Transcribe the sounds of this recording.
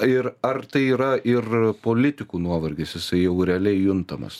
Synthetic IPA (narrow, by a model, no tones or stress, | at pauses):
ɪɾɐrt̪ɐɪiːɾɐʔɪrpoːlʲɪt̪ʲɪkuːnuɔʋɐɾʲɡʲɪsjɪsɐɪjɛʊɾʲɛːlʲɛɪjʊnt̪ɐmɐ̰s